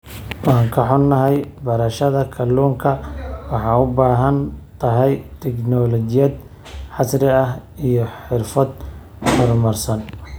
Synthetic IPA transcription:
wɑːŋkʰɐħʊnːɐɦɛjbɐɾɐʃɐðɐkʰɐluːŋkʰɐwɑħɑːʊbaːɦɐnt̪ʰɐɦɛjt̪ʰɛknɔlɔt͡ʃɪjɐd̪ | ħɑsrɪɐɦijɞħɪrfɐd̪ | hɔrmɐrsɐn

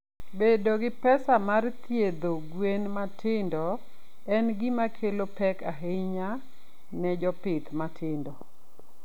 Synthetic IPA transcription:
bedoɡɪpɛsamart̪jed̪oɡwenmatʰɪndɔ | ɛnɡɪmakʰelopɛkaɦeɲa | nɛd͡ʒɔpɪt̪matʰɪndɔ

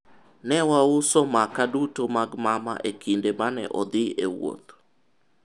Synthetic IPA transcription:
nɛwaʊsɔmakadutomaɡmama̰ʔekindemanɛ̰ʔɔd̪ɪewo̰t̪

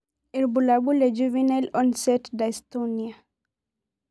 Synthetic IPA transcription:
iɾbulabuled͡ʒuvinalɔnset̪d̪aest̪onia

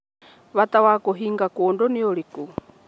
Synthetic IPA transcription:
βat̪awakoɦiŋɡakoːndonioɾiku

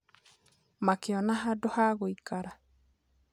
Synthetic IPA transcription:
makeɔnaɦadohaɣoikaɾa

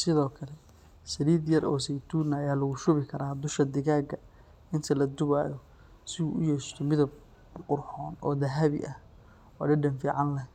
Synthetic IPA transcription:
sɪðɔːkʰɐlɛ | sɐɾiːd̪jɐɾʔɔːsɛjt̪ʰuːnɐːjaːlɐɣʊʃʊβɪkʰɐɾaːd̪ʊʃkɐd̪ɪɣaːɡɐ | ɪnt̪ʰɐlɐd̪ʊβaːjɔ | sɪuːʔʊjɛːʃt̪ʰɔmɪðɐb | qʊrħɔːnɔ̰ːd̪ɐɦɐβɪ̰ʔɐh | ɔːɖɛɖɐnfiːʕɑnlɛ

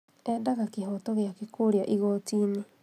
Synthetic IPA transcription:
ɛdaɣakehɔtɔɣeakekoɾjaʔiɣɔtiːne

